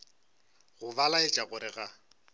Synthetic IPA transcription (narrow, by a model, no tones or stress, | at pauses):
ɣʊbalaɪt͡ʃʼaɣʊɾɪɣa